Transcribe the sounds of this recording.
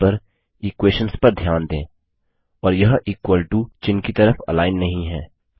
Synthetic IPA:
ɐɾ | iːkweːʃənspɐɾd̪ʱjaːnd̪ẽː | ɔːɾjɐɦʔiːkwəlʈut͡ʃɪnkit̪ɐɾəfɐ̰laːɪnːɐɦĩɦɛ̃ː

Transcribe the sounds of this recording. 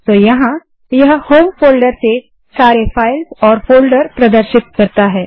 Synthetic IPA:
t̪oːjɐɦã | jɐɦhoːmfoːlɖəɾse | saːɾefʰaːɪlzɔːɾfoːlɖəɾpɾɐd̪əɾʃɪt̪̚kɐɾt̪aɦɛː

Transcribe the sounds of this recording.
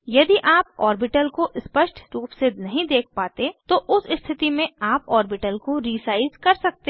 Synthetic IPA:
jɐd̪iʔaːpɔːɾbɪʈəlkoʔɪspəʃʈʰɾuːpsenɐɦĩd̪eːk̚ʰpaːt̪et̪oʔʊsɪst̪ʰɪt̪imẽaːpɔːɾbɪʈəlkoɾiːsaːɪzkɐɾsɐk̚t̪e

